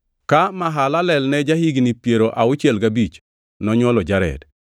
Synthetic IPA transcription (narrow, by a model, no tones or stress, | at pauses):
kamaɦalalɛlnɛd͡ʒahiɡnipjeɾoʔaʊt͡ʃɛlɡabit͡ʃ | nɔɲwɔlɔd͡ʒaɾɛ̰d